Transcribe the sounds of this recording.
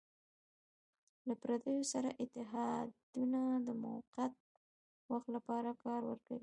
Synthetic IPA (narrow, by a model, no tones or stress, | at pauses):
lapɾad̪əjosaɾaʔɪt̪ɪɦɑd̪unad̪əma̰wqat̪̚ | waxt̪lapɑɾakɑɾwə̰ɾka̰wi